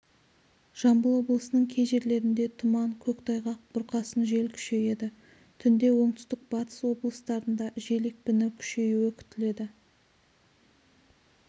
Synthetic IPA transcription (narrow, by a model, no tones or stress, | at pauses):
ʒ̥ɑmbəlˠwo̞blˠəsənəɴkʲʰe̞jʒe̞ɾle̞ɾɪnd̪e̞t̪ʰʊmɑŋkʲʰɵkt̪ʰɑjʁɑq̚b̥ʊɾqɑsənʒe̞lkʲʰʏ̥ʃe̞je̞d̪ɪ | t̪ʰʏnd̪e̞wo̞ɴt̪ʰʏ̥st̪ɪk̚bɑt̪ʰə̥swo̞blˠəst̪ɑɾənd̪ɑʒe̞lek̚pɪnɪkʲʰʏ̥ʃe̞juɵkʲʰʏ̥t̪ɪle̞d̪ɪ